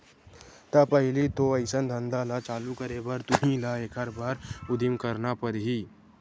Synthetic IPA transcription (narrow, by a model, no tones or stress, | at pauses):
t̪apəɦɪlit̪oɐɪsənd̪ʱə̃nd̪alat͡ʃaːlukəɾebəɾt̪ʊɦĩlaekʰəɾbaːɾʊd̪ɪmkəɾnapəɾɦi